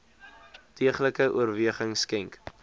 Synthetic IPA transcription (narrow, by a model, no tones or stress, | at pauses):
tʰiəχləkəʔuərviəχəŋskɛŋk